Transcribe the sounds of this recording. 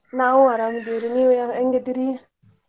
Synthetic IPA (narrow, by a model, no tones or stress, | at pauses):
nauaɾamud̪iɾiniwejaeŋɡed̪iɾi